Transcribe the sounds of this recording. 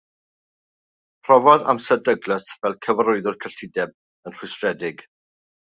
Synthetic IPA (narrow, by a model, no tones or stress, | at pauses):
pʰr̥ɔvɔða̰msədəɡləsvɛlˠkʰəvəɾʊɨðʊrkʰəɬɪdɛb̚ | ənr̥ʊstrɛdɪɡ